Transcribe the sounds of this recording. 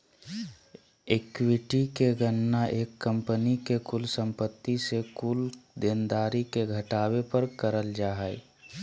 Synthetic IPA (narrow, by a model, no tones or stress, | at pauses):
ekwɪʈikeɡənːaʔeːkːə̃mpənikekulsə̃mpət̪ːisekuːld̪eːnd̪aːɾikeɡʱəʈaːwepəɾkəɾəld͡ʒaːɦɛɛ